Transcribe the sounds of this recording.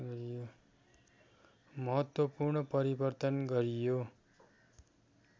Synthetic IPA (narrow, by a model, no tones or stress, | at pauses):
ʌɾijo | mʌɦʌt̪wʌpurɳʌpʌɾibʌrt̪ʌnɡʌɾijo